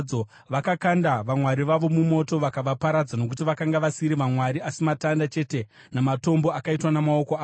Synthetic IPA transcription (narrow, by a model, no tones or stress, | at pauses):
o | ʋakakandaʋamwaɾiʋaʋo̞mumo̞to̞ʋakaʋapaɾad͡zano̞k̬utiʋakaŋɡaʋasiɾiʋamwaɾiasimatandat͡ʃe̞te̞ | namato̞mbo̞akaitwanamao̞ko̞aː